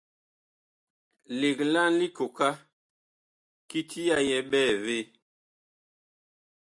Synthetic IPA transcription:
le˨kla˦nli˦ko˨ka˦ | ki˦tʰi˦ja˦jɛ˦ɓɛː˦˨ve˦

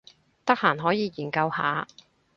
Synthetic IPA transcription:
t̪ɐ˥k̚haː˨˩nɦɔː˨˥jiː˨˧jiː˨˩nkɐ˧wha̰ː˨˥

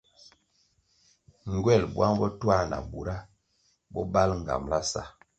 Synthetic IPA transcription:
ŋ˨ɡwɛ˦˨lbwa˦ŋbɔ˦twa˦˨na̰˨bu˨ɾa˦ | bɔ˦ba˦lŋ˨ɡa̰˨mla˦sa̰˦

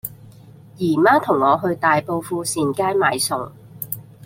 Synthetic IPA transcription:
jiː˨˩maː˥t̪ʰʊ˨˩ŋːɔː˨˧ɦɵ˧ɥt̪aː˨jpo˧wfuː˧siː˨˧nkaː˥jmaː˨˧jsʊ˨˩ŋ

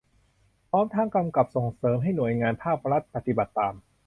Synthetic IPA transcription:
pʰɾɔː˦˥mt̪ʰaː˦˥ŋka˧mka˨˩p̚so˨˩ŋsɤː˩˦mɦa˥˩jnu˨˩əjŋaː˧npʰaː˥˩p̚ɾa˦˥t̪̚pa˨˩t̪ːi˨ba˨˩t̪ːaː˧m

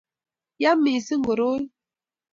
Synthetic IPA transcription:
ja˦mːi˨si˦ŋ˦ɡo˨ɾo˦j

